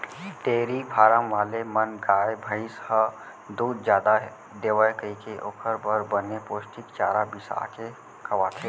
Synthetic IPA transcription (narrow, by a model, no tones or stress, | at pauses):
ʈeːɾibʱaːɾəmʋaːlemənɡaːjbʱəɪshə | d̪uːd̪d͡ʒjaːd̪aɦ | d̪eːʋəjkəikeʔoːkʰəɾbəɾbənepoːʃʈikt͡ʃaːɾabɪsa̰ke | kɐʋaːt̪ʰe